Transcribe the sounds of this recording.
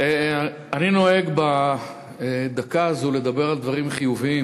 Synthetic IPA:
e | anino̞e̞ɡba | d̪akaːzule̞d̪abe̞ʁald̪vaʁimχijuviim

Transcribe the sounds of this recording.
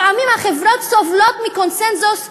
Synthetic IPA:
amimhaχɛvɾɔtsɔvlɔt̪mikɔnsɛnsʊs

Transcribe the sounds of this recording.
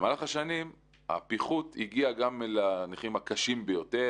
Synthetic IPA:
emalaχaʃanim | a̰piχut̪iɡiaɡamelaniχimakaʃimbejo̞te

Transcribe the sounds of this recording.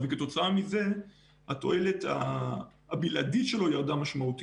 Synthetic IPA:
veketo̞t͡saamize̞ | hato̞̰e̞le̞ta̰ː | bilʔaditʃe̞lo̞jaʁd̪amaʃmaut̪i

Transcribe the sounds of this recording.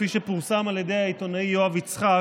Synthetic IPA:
fiʃe̞puʁsamalje̞d̪e̞jhait̪o̞naijoavit͡sχa

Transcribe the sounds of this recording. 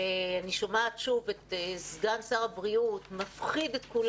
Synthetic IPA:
aniʃomaːtʃuvet̪zɡansaʁabʁiut̪mafχid̪et̪kul

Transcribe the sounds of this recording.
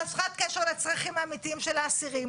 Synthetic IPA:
afχat̪̚keʃeʁlet͡sʁaχimaːmit̪iimʃelaːsiʁi

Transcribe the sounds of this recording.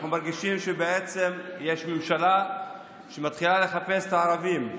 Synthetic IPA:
χnumaʁɡiʃimʃebeet͡se̞mje̞ʃmemʃala | ʃemat̪χilale̞χape̞st̪aːʁavim

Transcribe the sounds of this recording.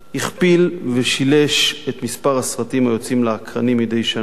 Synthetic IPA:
hiχpilveʃile̞ʃet̪mispaʁasʁatimajot͡simleakʁanimid̪ejʃa

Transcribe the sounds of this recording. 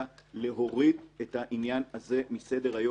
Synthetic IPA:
le̞ɦo̞ʁidethaʔinjanhaze̞mise̞de̞ʁajo

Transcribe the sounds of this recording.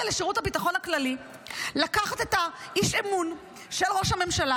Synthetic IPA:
leʃeʁuthabitaχonaklali | lakaχat̪e̞taiʃemun | ʃelʁo̞ʃhame̞mʃala

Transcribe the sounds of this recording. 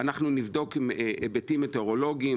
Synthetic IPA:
anaχnunivd̪o̞kimebetimeteoʁo̞lo̞ɡii

